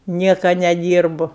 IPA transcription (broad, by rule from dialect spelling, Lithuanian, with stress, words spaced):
ˈnʲiɛkɐ nʲɛˈdʲiːrbʊ